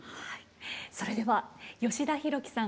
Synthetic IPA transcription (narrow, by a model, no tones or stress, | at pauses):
haiso̞ɾe̞d̪e̞βajo̞ɕid̪açiɾo̞kʲi̥sã